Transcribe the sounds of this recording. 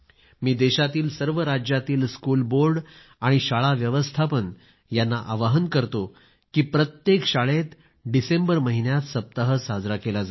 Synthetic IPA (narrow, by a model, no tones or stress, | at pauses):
miːd̪eɕat̪iːlsəɾʋəɾad͡ʑjat̪iːlskulboɾɖ | aɽ̃iɕaɭaʋjəʋəst̪ʰapən | janːaʔaʋaɦənkəɾt̪o | kiːpɾət̪jekɕaɭet̪ | ɖisembəɾməɦinjat̪səp̚t̪əɦəsad͡zɾakelad͡za